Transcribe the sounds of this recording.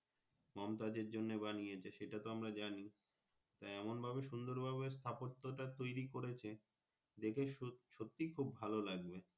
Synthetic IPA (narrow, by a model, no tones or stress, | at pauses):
mɔmt̪ad͡ʑeɾd͡ʑonːebanijet͡ɕʰaʃeʈat̪oamɾad͡ʑani | t̪ajɛmonbʱaβeʃund̪oɾbʱaβeɾst̪ʰapot̪ːoʈat̪ojɾikoɾet͡ɕʰe | d̪ekʰeʃot̪ːikʰubːʱalolaɡbe